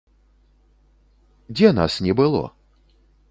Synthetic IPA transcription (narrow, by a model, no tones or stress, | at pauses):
d͡zʲɛna̰snʲɛbɨlˠɔ̰